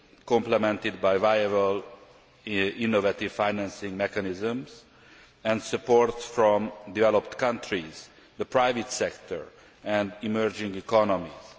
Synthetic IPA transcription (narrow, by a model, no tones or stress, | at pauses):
kɔ̃mplɛmɛ̃nt̪id̪̚bajvajabəl | inːovat̪iv̥fajnæ̃nsɪ̃ŋɡmɛkanizə̃mz | ɛ̃ndsəpoɹt̪sfɹɔ̃md̪ivɛlopt̪kʌ̃nt̪ɹiz̥ | d̪əpɹajvit̪sɛkt̪ɔ̰ɹ | ɛ̃nd̪imɜɹd͡ʒɪ̃ŋɡikɔnɔmiz̥